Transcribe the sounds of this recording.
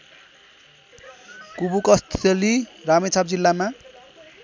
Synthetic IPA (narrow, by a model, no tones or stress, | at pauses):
kubukʌst̪ʰʌliramet͡sʰap̚d͡zilːama